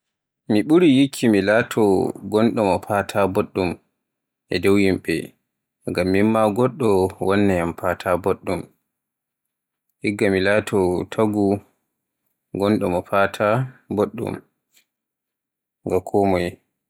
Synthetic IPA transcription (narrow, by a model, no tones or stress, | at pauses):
miɓuɾijikʰːimilatʰɔɡɔnɗɔmɔpatʰaboɗːum | ʔɛdɔwjimɓɛ̰ | ŋɡamːimːaɡɔɗːɔwɔnːɛjampatʰaboɗːum | hiɡːamilatʰɔtʰaɡu | ɡɔnɗɔmɔpatʰaboɗːṵm | ŋɡakʰɔmɔj